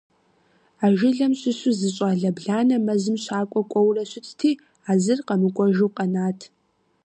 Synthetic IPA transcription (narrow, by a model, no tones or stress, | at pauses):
aːʒɪɮɐmɕʼɪɕʷʊzɨɕʼaːɮɐbɮaːnɐmɐzɨmɕaːkʷʼɔkʷʼɔwrɐɕʊt͡sʼtʰiː | aːzɨrqɐmɨkʷʼɔʒuwqʼɐnaːtʰ